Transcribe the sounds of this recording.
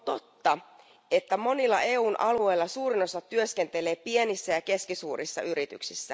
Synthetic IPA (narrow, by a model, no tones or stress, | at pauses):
ot̪o̞t̪ːɑ | e̞t̪ːæmo̞nilːɑ̰ʔe̞ːuːnʔɑlue̞jlːɑsuːɾino̞sɑt̪ːyøske̞nt̪e̞le̞ːpienisːæjɑke̞skisuːrʔisːɑ̰yɾit̪y̰ksisːæ